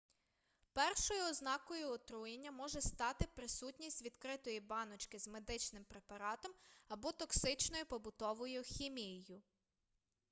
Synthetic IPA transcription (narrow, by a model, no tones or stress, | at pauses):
pɛrʃɔjʊɔznɑkɔjʊɔt̪ɾujenʲːɐmɔʒɛst̪ɑt̪ɪpɾɪsutʲnʲisʲtʲʋʲid̪kɾɪt̪ɔjibɑnɔt͡ʃkɪzme̞d̪ɪt͡ʃnɪmpɾepɐɾɑt̪ɔmɐbɔt̪ɔksɪt͡ʃnɔjʊpɔbʊt̪ɔʋɔjʊxʲimʲijejʊ